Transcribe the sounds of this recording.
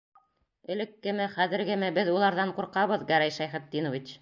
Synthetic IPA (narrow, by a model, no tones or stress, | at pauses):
ɘ̆lɘ̆kːɘ̆mɘχæðɘ̆ɾɡɘmɘbɘðulˠɑɾðɑɴquɾqɑβɤðɡæɾæjʃæjχɘ̆t̪̚ːinŏvit͡ɕ